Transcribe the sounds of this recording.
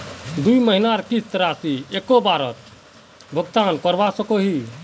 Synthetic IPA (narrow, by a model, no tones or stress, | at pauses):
d̪uiməɦinaɾkist̪ɾasiekobaɾət̪ | bʱəɡt̪ankəɾʋasəkoɦi